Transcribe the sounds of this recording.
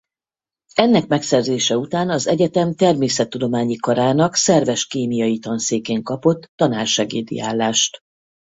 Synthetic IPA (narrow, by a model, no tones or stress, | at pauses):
ɛnːɛkmɛksɛrzeːʃɛut̪aːnɒzɛɟɛt̪ɛmt̪ɛrmeːsɛt̪ːud̪o̞maːɲikɒɾaːnɒksɛrvɛʃkeːmijɒjit̪ɒnseːkeːŋkɒpo̞t̪ːɒnaːrʃɛɡeːd̪ḭaːlːaːʃt̪